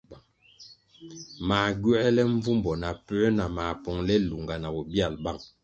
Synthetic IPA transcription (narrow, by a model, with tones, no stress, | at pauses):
maː˨ɡɥɛ˦ɛ˦lɛ˦ɱ˦vu˦mbɔ˨na˨pɛ˦na˨ma˨pɔ˨ŋlɛ˦lu˨ŋɡa˨na˨bɔ˨bja˦˨lba˦˨ŋ